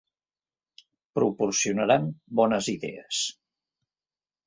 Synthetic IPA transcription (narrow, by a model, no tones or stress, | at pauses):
pɾupuɾsiunəɾambɔnəziðɛ̰əs